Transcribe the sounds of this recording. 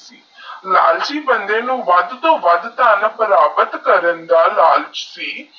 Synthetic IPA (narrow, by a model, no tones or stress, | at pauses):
siː | la̰ːld͡ʒiːbənd̪eːnũːʋəd̪t̪õːʋəd̪t̪aːnbəɾaːbət̪kəɾənd̪aːlaːlt͡ʃsiː